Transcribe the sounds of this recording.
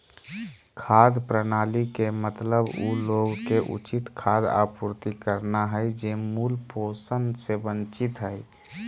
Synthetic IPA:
kʰad̪pɾənalikemət̪ləbuloɡkːeʔṵt͡ʃit̪kʰad̪a̰puɾt̪ikəɾnaɦəjd͡ʒemulposənd̪sebənt͡ʃit̪ɦəɪ

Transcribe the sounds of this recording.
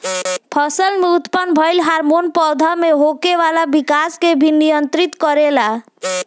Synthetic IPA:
pʰɔsəlmeut̪pənbʱəɪlɦaɾmonpɔːd̪ʱameɦokeʋalabikaskebʱinijənt̪ɾit̪kɔɾela

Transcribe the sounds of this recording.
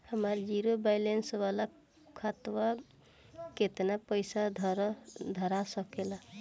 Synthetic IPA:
həməɾd͡ʒiɾobajlensbala | kʰat̪wa | ket̪napəjsad̪ʱɾd̪ʱəɾasəkela

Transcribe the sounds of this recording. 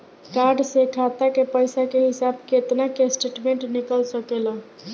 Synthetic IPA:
kaɾɖsekʰat̪akepəjsakeɦisabket̪nakesʈeʈmeɳʈnikəlsəkelə

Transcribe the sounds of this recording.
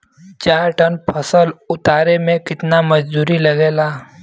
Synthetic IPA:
t͡ʃaːɾʈənpʰəsəlʊt̪aːɾemẽkɪt̪namɐd͡ʒd̪uːɾilɐɡeːlaː

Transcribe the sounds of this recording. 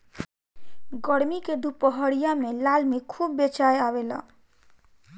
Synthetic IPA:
ɡəɾmiked̪upəɦəɽijamelalmikʰubːet͡ʃajaβela̰

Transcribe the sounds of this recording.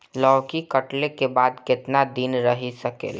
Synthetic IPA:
lɔːʋkikəʈlekebaːd̪kɪt̪nad̪inɾəɦisəkḛːl

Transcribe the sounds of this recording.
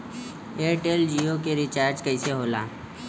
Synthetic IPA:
eːʈeːld͡ʒiːokeɾɪt͡ʃaːɾd͡ʒkəɪseɦoːlaː

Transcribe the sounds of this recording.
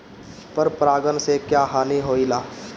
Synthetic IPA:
pəɾpɾaːɡənsekjaːɦaːniɦoːilaː

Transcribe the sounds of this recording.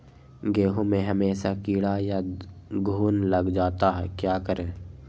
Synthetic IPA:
ɡeːɦõmẽɦəmeːsakiːɽajaɡʱuːnləɡd͡ʒaːt̪aɦɛ̰ːkjaːkəɾẽː

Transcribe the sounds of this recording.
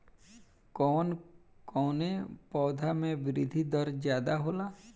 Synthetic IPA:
kɔːnkɔːnepɔːd̪ʱamẽbɪɾɪd̪ʱid̪əɾd͡ʒjaːd̪aɦoːlaː

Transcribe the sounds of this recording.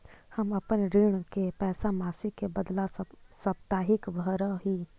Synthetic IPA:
həməpənɾɪɽ̃kepɛːsamaːsikebəd̪lasəb̚t̪aːɦɪkbʱəɾəɦiː

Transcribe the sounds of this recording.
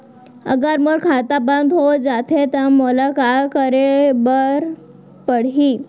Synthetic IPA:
ə̰ɡəɾmoɽkʰat̪abãnd̪ɦod͡zat̪ʰet̪əmolakakəɾebəɾ | pəɽɦi

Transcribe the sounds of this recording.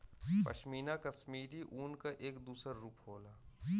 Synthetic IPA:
pɐ̰ʃmiːnakɐsmiːɾiʔuːnkaʔeːkd̪uːsəɾɾuːpɦoːlaː

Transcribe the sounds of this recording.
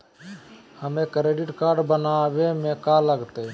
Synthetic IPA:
həmekɾeɖiʈkaɾɖbənabemẽkaləɡt̪ə

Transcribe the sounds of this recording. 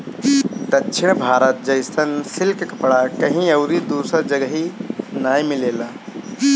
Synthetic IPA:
t̪ɐtːt͡ʃʰɪɳ̃bʱaːɾət̪̚d͡ʒɐɪst̪ʰɐnsɪlkkɐpɽakɐɦĩɐwɾid̪uːsəɾd͡ʒɐɡɦinaːjmɪleːlaː

